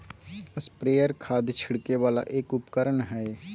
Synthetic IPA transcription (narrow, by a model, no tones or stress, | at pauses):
əspɾeːjəɾkʰaːd̪t͡ʃʰɪɽkeʋaːla̰ʔeːkʊpkəɾəɳɦɛ